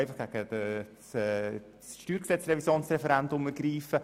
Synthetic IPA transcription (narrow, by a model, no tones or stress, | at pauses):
ɪfɑχɡ̥æɡ̥əd̥əsɛ | sʃtyːɾksɛt͡srɛvisjoːnsrɛfɛɾændʊməɾɡ̥ɾiːfə